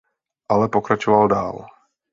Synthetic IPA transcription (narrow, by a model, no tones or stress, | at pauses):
ʔalɛpokɾat͡ʃovaldaːl